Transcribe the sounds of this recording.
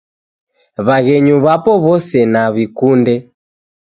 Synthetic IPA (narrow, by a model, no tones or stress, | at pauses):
βaɣɛɲuβapɔβɔsɛnaβikundɛ